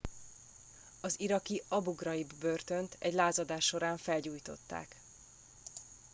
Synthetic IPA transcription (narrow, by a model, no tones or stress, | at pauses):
ɒziɾɒkiɒbuɡrɒibːø̞rt̪ø̞nt̪ʰɛɟlaːzɒd̪aːʃːo̞ɾaːɱfɛlɟuːjt̪o̞̰t̪ːa̰ːk